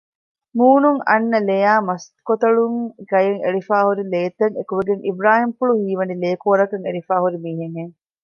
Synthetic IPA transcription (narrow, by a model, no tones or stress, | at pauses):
muːnuŋɐ̰nːɐlejaːmɐst̪kot̪ɐɭuŋɡɐjeŋḛɾifaːhuɾileːt̪ɐŋekuʋeɡeŋʔibɾaːhimfuɭuhiːʋɐnileːkoːɾɐkɐŋeɾifaːɦuɾimiːɦeŋeŋ